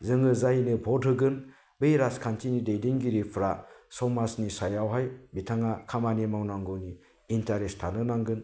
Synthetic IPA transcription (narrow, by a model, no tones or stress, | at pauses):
zɯŋɯzajnɯbʱɔdɦɯɡɯn | bejɾaskʰantʰinidejdiŋɡiɾipʰɾasɔmasnisajawɦajbitʰaŋakʰamanimawnaŋɡɯwniː | ntaɾestʰanɯnaŋɡɯn